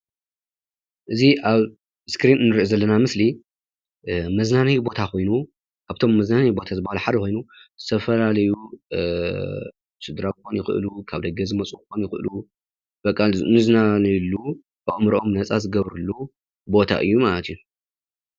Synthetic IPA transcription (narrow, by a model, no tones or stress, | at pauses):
ʔɨziʔaβ | skɾinɨnːɨɾʔozɐlːɐnamɨsli | mɐznanɐjbo̞t̪ʰakʰo̞jnu | ʔaβt̪ʰo̞mːɐznanɐjbo̞t̪ʰazɨbːahaluħad̪ɐko̞jnuz̥ɨt̪ʰɐfɐlalɐju | sɨd̪ɾabɨxonjɪxɨ̰ʔɨ̰lukʰaβd̪ɐɡɐzɨmɐt͡sʼukxonjɪxɨʔɨlu | b̥ɐkʼːalz̰nɨznanilːu | baʔomɾʔomnɐt͡sʼazɨɡɐβɾɨlːu | bo̞t̪ʰa̰ʔɨ̰jːumalɐt̪iju